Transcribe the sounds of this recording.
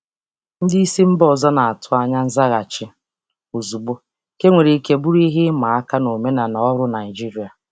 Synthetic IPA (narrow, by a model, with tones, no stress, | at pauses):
n̩˦dɪ˦i˦si˦m̩˦bɔ˦˨zɔ˦na˨a˨tʰʊ˦a˦ɲa˦n̩˦za˦ɣa˨t͡ʃɪ˦ | o˨zu˨bo˦ | ke˦ŋʷe˨ɾi˨i˦ke˦bʊ˦ɾi˦ɦɪ˦ma˨a˦ka˦no˨me˦na˨nɔ˨ɔ˦ɾʊ˦na˨ɪ˨d͡ʒi˦ɾi˨a˨